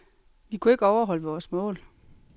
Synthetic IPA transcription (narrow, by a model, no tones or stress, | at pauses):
ʋikʰue̝ɡ̥əɒʊɐɦɒ̽ləʋɒːsmɔ̰̽ːl